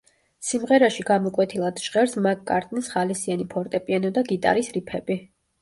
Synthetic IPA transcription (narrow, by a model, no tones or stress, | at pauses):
simʁɛɾaʃiɡamɔkʼwɛt̪ʰilˠad̪̥ʃʁɛɾsmakʼːa̰ɾt̪ʼnisχalisianipʰɔɾt̪ʼɛpʼianɔd̪aɡit̪ʼa̰ɾisɾipʰɛbi